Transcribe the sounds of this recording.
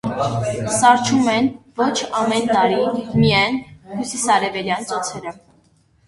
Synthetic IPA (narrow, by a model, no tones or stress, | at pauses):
sɑɾt͡ʃʰumɛnvɔt͡ʃʰɑmɛnt̪ɑɾimijɛjnhusisɑɾɛvɛljɑnt͡sɔt͡sʰɛɾə